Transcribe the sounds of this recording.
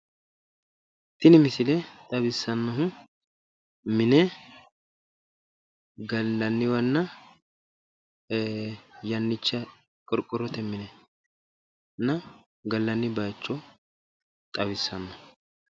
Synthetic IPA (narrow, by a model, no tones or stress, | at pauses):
t̪ɪnɪmɪsɪlɛt̪ʼɐbɪsːɐnːɐɦʊ | mɪnɛ | ɡɐlːɐnːɪwɐnːɐ | jɐnːɪt͡ʃːɐ | kʼɔɾkʼːɔɾːɔt̪ɛmɪnɛ | nːɐ | ɡɐlːɐnːɪbaːt͡ʃːɔ | t̪ʼɐβɪsːɐnːɐhʊ